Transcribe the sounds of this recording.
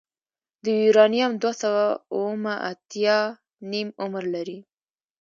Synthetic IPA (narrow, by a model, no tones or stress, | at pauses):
d̪əiɾɑnijamd̪wasawauwəmaʔat̪jɑ | nimʊmɾlaɾi